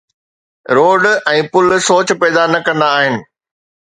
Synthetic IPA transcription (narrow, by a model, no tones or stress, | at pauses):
ɾoːɖɛ̃ːpʊlsoːt͡ɕpɛːd̪anɐkɐ̃nd̪aːɦɪnɪ̆